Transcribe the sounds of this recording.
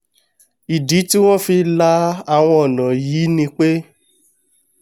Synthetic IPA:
i˨di˨˦ti˦w̃ɔ̃˦fi˧la˧˦a˧˨w̃ɔ̃˧ɔ˨nã˨jiː˨˦nĩ˧k͡pe˦

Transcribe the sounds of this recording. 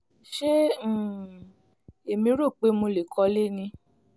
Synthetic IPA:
ʃẽ˦˨ | e˨mĩ˧˦ɾo˦˨k͡pe˨˦mo˧le˨kʰɔ˧le˦˨nĩ˧

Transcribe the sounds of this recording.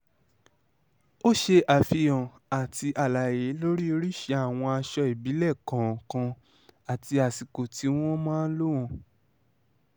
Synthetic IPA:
o˦ʃe˧ʔa˨fi˧jɔ̃˨ | a˨ti˧ʔa˨la˨je˨˦lo˦ɾi˦o˧ɾi˦ʃe˧a˨w̃ɔ̃˧a˧ʃɔ˧i˨bi˨˦lɛ˦˨kã˨˦˨kã˧ | a˨ti˧a˨si˨ko˨ti˨˦w̃ɔ̃˦mãː˦˧˦lo˦w̃ɔ̃˧˨

